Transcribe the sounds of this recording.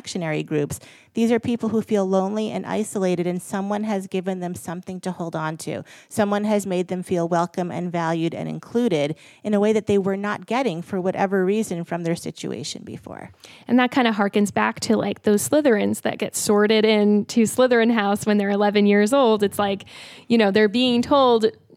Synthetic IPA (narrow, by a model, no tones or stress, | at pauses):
kʃɨnɛɹḭɡɹʉps | ðizə˞pʰipl̩ˠhufilˠlõʊ̃nliʔɨ̰̃nʔa̰ɪsəleɪɾɨɾɨ̃nsʌ̃mwʌ̃nɨzɡɪvɨ̃nðɨ̃msʌ̃mθɪ̃ŋtʰɨhoʊlˠdn̩tʰʉ̰sʌ̃mwʌ̃nɨzmeɪd̪̚ðɨ̃ɱfilˠwɛlˠkɨ̃mɨ̰̃nvælˠjʉɾɨ̰̃nɨ̰̃nkʰl̥ʉɾɪɾ | ɨ̃nəweɪðɨt̪̚ðeɪwə˞nət̚ɡ̥ɛɾɪ̃ŋfə˞wʌɾʔɛ̰və˞ɹizɨ̃nfɹʌ̃mðə˞sɪ̰t͡ʃʉ̰ḛɪʃɨ̰̃nbɨ̰fɔ̰ɹʔɨ̃nðɨt̚kʰãɪ̃ndəɦɑɹkɨ̃nzbæk̚tʰɨla̰ɪk̚ðoʊz̥slɪðə˞ɨ̃nz̥ðɨ̰t̚ɡ̥ɛtsɔɹɾɪɾɪ̃ntʰɨslɪðə˞ɨ̃nɦaʊswə̃nðə˞ɨlɛvɨ̃njɪɹzoʊlˠdɨtslaɪkjɨñoʊðə˞biɪ̃ŋtʰoʊlˠd